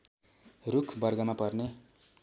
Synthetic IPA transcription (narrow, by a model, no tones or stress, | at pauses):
rukʰbʌrɡʌmapʌrne